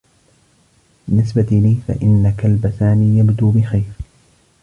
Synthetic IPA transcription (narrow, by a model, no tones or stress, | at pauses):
bɪnːɪsbat̪ɪliːfa̰ʔɪnːakalbaθaːniːjabd̪uːbɪxajɾ